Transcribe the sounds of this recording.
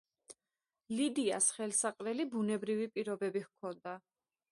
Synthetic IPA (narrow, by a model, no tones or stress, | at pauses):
lid̪ia̰sχɛlˠsaqʼɾɛlibunɛbɾivipʼiɾɔbɛbihkʰɔnd̪a